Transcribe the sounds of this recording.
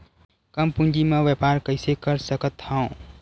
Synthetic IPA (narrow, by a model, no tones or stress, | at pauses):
kəmpũnd͡ʒimeʋepaɾkəɪsekəɾsəkət̪ʰːãõ